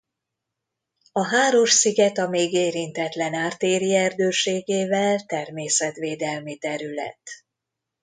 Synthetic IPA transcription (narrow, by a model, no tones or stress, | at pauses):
ɒɦaːɾo̞ʃsiɡɛt̪ɒmeːɡeːɾint̪ɛt̪lɛnaːrt̪eːɾiɛrd̪øːʃeːɡeːvɛlt̪ɛrmeːsɛt̪ʋeːd̪ɛlmit̪ɛɾylɛ̰t̪